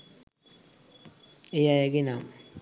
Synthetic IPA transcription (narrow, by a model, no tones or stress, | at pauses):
ejajaɡina